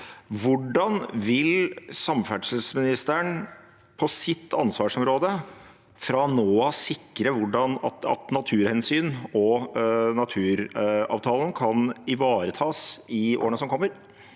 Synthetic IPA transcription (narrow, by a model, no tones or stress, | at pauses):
ʋʊɖɑnʋɪlsɑmfæɖʂəsmɪnɪst̪əɳ | pʰɔsɪt̪ʰːɑnsʋɑːʂɔmɾoːd̪ə | fɾɑnoːɑsɪkːɾəʋʊɖɑnɑ̰t̪nɑt̪ʰʉːɾhɛnsyːnɔnɑt̪ʰʉːɾɑ̰ːʋt̪ʰɑːlənkʰɑnɪʋɑːɾət̪ʰɑːsɪʔo̰ːɾəɳəsɔmkʰɔmːəɾ